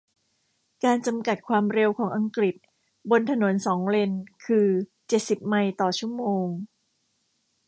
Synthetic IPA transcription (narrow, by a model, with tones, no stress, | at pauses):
kaː˧nt͡ɕa˧mka˨˩t̪̚kʰwaː˧mɾe˧wkʰɔː˩˦ŋʔa˧ŋkɾi˨˩t̪̚ | bo˧nt̪ʰa˧no˩˦nsɔː˩˦ŋle˧nkʰɯː˧t͡ɕe˨˩t̪̚si˨˩p̚ma˧jt̪ɔː˨˩t͡ɕʰu˥˩əmoː˧ŋ